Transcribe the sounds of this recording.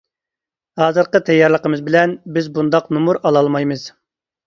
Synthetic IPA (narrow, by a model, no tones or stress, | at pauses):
hɑːzɨɾqət̪ʰɛjːɑɾlˠəqəmɨzbɪlɛnbɪzbund̪ɑqnumuɾɑlˠɑlˠmɑjmɨz̥